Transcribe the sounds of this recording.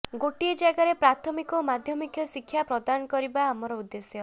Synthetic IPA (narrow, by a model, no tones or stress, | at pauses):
ɡoʈied͡ʒaɡaɾepɾat̪ʰɔmikɔmad̪ʱjɔmikʰjɔsikʰːjapɾɔd̪anɔkɔɾibaːmɔɾɔud̪ːesjɔ